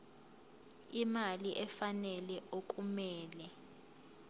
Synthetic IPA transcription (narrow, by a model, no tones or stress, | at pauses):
imaliʔɛfanɛlɛʔokʼumɛːlɛ